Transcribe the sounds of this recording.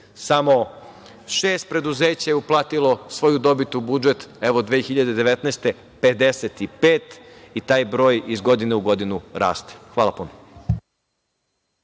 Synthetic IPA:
samo̞ | ʃeːst̪̚pɾe̞d̪uzeːt͡ɕajeuplˠaːt̪ilˠosʋo̞jud̪o̞bit̪ubud͡ʒet̪eʋo̞d̪ʋeːxiʎad̪ed̪eʋet̪nɛːst̪e̞ | pe̞d̪eset̪ipeːt̪it̪aːjbɾo̞ːjizɡo̞d̪ineuɡo̞d̪inuɾa̰ːst̪e̥xʋaːlˠapuno

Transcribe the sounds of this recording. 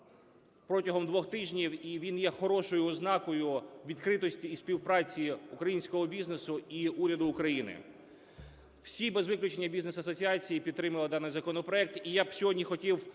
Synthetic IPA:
pɾɔtʲɐɦɔmd̪ʋɔxt̪ɪʒʲnʲiwiʋʲinjɛxɔɾɔʃɔjʊɔznɑkɔjʊʋʲid̪kɾɪt̪ɔsʲtʲiːspʲiwpɾɑt͡sʲiukɾɐjinʲsʲkɔɦɔbʲiznesʊiuɾʲɐd̪ʊːkɾɐjinɪ̰ | w̥sʲibɛzʋɪklʲʊt͡ʃenʲːɐbʲiznesɐsɔt͡sʲiɑt͡sʲijipʲid̪t̪ːɾɪmɐlˠɪd̪ɑnɪjzɐkɔnɔpɾɔɛk̚t̪ijabsʲɔɦɔdʲnʲixɔtʲiw

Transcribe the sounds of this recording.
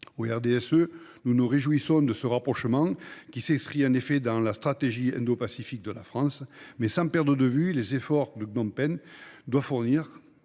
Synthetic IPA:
oɛʁd̪eɛsø | nunuʁeʒuisɔ̃d̪əsəʁapχɔʃəmɑ̃kʲisɛ̃skχiɑ̃nefed̪ɑ̃last̪χat̪eʒiɛ̰̃nd̪opasifik̚d̪əlafχɑ̃smɛsɑ̃pɛʁd̪ʁəd̪əvylezefɔʁd̪əɡnɔ̃mpɛnd̪wafuʁniʁ

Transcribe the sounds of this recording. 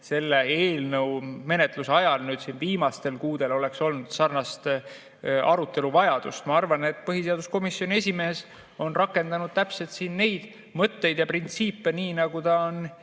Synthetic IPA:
se̞lːee̞ːlnɤwme̞ne̞t̪ˑluseɑjɑlnyːd̪̥sinviːmɑst̪e̞lkuːd̪̥e̞lo̞le̞kso̞lnud̪̥sɑrnɑst̪ | ʔɑɾut̪ːˑe̞luvɑjɑd̪̥ṵst̪mɑɑrvɑne̞t̪ːˑpɤɦise̞ɑd̪usko̞misjo̞nie̞sʲime̞ːs | o̞nrɑkːˑe̞nd̪ɑnud̪̥̚t̪æpse̞lt̪siːnːe̞jd̪̥ | mɤt̪ːe̞jd̪jɑprint̪siːpːe̞niːnɑɡ̥ut̪ɑon

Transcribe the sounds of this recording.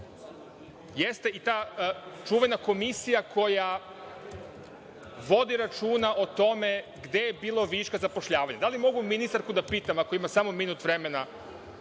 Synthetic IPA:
jest̪e̞ʔit̪aːt͡ʃuːʋenako̞misijakʰo̞ja | ʋo̞d̪iɾat͡ʃuːnaʔot̪o̞me̞ɡd̪e̞jebiːlˠoʋiʃkazapo̞ʃʎaːʋaɲad̪alimo̞ɡuminist̪aɾkud̪apiːt̪amako̞imasamo̞minut̪ʋɾe̞me̞na

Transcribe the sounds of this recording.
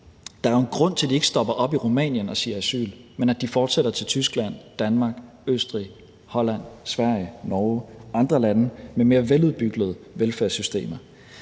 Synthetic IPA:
d̥ɑ̈æɐenɡ̥ʁɔ̽n̰t͡sʰe̝ld̥ie̝ɡ̥ə̥sd̥ɒ̽b̥ɐʔɒ̽b̥iʁomɛ̰ːnjənɒ̽siːɐæsy̰ːlmenæd̥ifɒːd̥seɾ̥ɐt͡sʰe̝lt͡sʰysɡ̥læn̰d̥ænmɑ̈ɡ̥ | øsd̥ʁḭ | hɒ̽læn̰sʋæɐ̰jənɒːɑ̈nd̥ʁɐlænəmeme̝ːɐʋeluð̞ˠb̥yɡ̥ð̩ˠʋelfæɐsysd̥e̝̰ːmɐ

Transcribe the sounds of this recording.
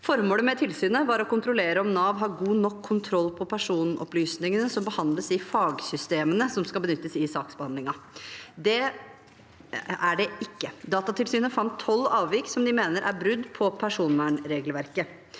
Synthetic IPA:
fɔɾmoːləmɛt̪ʰɪlsyːnəʋɑɾɔkʊnt̪ɾʊleːɾəɔmnɑːʋɦɑːɾɡuːnɔkʰːʊnt̪ʰɾɔlːpʰɔpʰæʂuːnʔɔ̰plyːsnɪŋənəsɔmbəhɑnd̪ləsɪfɑːɡsʏst̪eːmənəsɔmskɑbənʏt̪ːəsɪsɑːksbəhɑnd̪lɪŋɑd̪ɛ | æɖɛɪkːəd̪ɑːt̪ɑt̪ɪlsyːnəfɑnt̪ʰːɔlːɑːʋʋɪksɔmd̪ɪmeːnəɾʔæ̰bɾʉd̪ːpʰɔpʰæʂuːnʋæːɳɾeːɡlʋæɾkə

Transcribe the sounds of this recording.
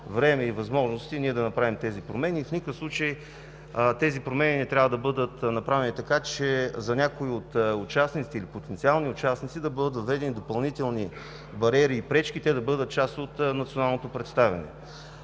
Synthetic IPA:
vɾɛmɛivɐzmɔʒnost̪iniɛd̪ɐnɐpɾavimt̪ɛzipɾomɛnʲiːfnikəfslˠut͡ʃəj | t̪ɛzipɾomɛnʲinɛt̪ɾʲavɐd̪ɐbɤd̪ət̪nɐpɾavɛnit̪ɐkat͡ʃɛzɐnʲakoiot̪ʊt͡ʃasnit̪siːlipot̪ɛnt̪sialˠniʊt͡ʃasnit̪sid̪ɐbɤd̪ət̪vɐvɛd̪ɛnid̪opɐlˠnit̪ɛlˠni | bɐɾʲɛɾiːpɾɛt͡ʃk̟it̪ɛd̪ɐbɤd̪ət̪̚t͡ʃast̪ot̪nɐt̪sionalˠnot̪opɾɛt̪st̪avʲɐ̰nɛ̰

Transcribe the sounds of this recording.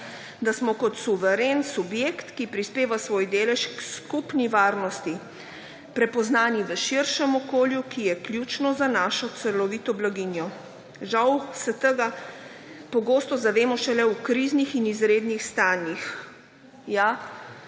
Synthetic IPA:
d̪asmɔkɔt̪suʋɛɾeːnsubjekt̪kipɾispeːʋasʋoːjd̪eːlɛʃkskupniʋaːɾnɔst̪i | pɾɛpɔznaːniʋəʃiɾʃɛmɔkoːljukijɛklʲjuːt͡ʃnɔzanaːʃɔt̪sɛlɔʋiːt̪ɔblaɡinjɔ | ʒawsɛt̪əɡa | pɔɡoːst̪ɔzaʋeːmɔʃɛlɛwkɾiznixinizɾeːd̪nixst̪aːnjix | ja

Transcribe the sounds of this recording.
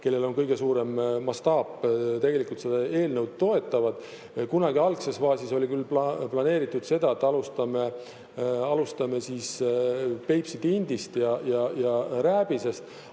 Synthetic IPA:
ke̞lːe̞lo̞nkɤjɡ̥e̞suːɾe̞mːɑst̪ɑːpːt̪e̞ɡ̥e̞likˑult̪se̞d̪ɑe̞ːlnəwd̪̚t̪o̞e̞t̪ːˑɑvɑd̪̥ | kunɑɡiɑlkse̞sfɑːsiso̞lʲikylːpɑplɑne̞ːɾit̪ːˑud̪̥se̞d̪ɑet̪ːˑɑlust̪ɑme | ɑlust̪ɑme̞sis | pe̞jpsid̪ind̪ist̪jɑjɑjɑɾæːb̥ise̞st̪

